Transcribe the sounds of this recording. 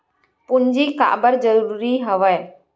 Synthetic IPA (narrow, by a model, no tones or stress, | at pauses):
puɲd͡ʒika̰ʔbəɾd͡ʒəɾuuɾiɦəʋɛj